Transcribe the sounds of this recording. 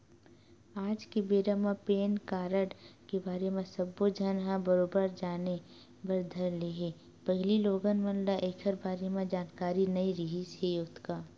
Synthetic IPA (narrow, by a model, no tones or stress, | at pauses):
aːd͡ʒkebeːɾəmãpeːnkaːɾəɽkebaːɾemẽsɐbːod͡ʒʱɐnɦãbɐɾoːbəɾd͡ʒaːne | bɐɾd̪ʱəɾleɦeː | pɐɦɪliloːɡənmɐ̃nlaʔeːkʰəɾbaːɾemẽd͡ʒaːnkaːɾinɐiɾɪɦisɦejʊt̪kaː